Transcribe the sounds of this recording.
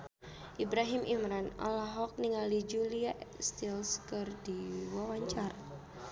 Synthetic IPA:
ʔibɾaɦɪmʔimɾana̰laɦɔk̚niŋalid͡ʒuliaʔst̪ilskɨrdiwawaɲt͡ʃar

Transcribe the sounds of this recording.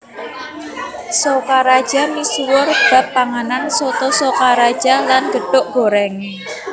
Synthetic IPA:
sokaɾad̥ʒ̥a̤misuwʊrb̥a̤pːaŋanansot̪ɔsokaɾad̥ʒ̥a̤lanɡ̥ə̤ɖ̥ʊʔɡ̥o̤ɾɛŋe

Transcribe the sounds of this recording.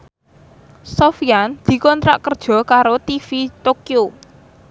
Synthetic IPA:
sofiand̪̥i̤kɔnt̪ɾa̰ʔkərd̥ʒ̥ɔ̤kaɾot̪ifit̪okio

